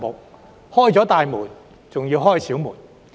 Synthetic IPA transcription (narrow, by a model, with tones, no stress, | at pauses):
mʊ˨k̚ | hɔː˥˩jt͡sɔː˨˥t̪aː˨jmuː˨˩n | t͡sʊ˨ŋjiː˧wɦɔː˥jsiː˨˥wmuː˨˩n